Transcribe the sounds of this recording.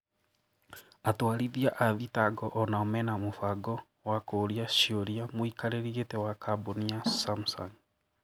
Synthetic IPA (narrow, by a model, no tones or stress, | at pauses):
atwaːɾiðiaʔaðitaɡɔʔɔnaɔmɛnamofaɡɔ | wakoːɾiaʃioɾiamwikaɾeɾietewakaboniasamsɔ̰n